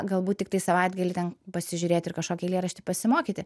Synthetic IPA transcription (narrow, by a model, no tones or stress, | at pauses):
ɡɐlˠbuːt̪̚ʲtʲɪkt̪ɐɪsɐʋɑɪd̪ɡɐlʲɪt̪ʲɛnpɐsʲɪʒʲʊɾʲeːt̪ʲɪɾkɐʃkoːkʲɛɪlʲieːɾɐʃʲt̪ʲɪpɐsʲɪmoːkʲiːt̪ʲɪ